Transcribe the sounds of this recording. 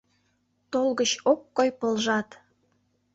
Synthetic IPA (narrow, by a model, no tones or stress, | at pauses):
t̪olɣət͡ɕokːojpəlʒɑt̪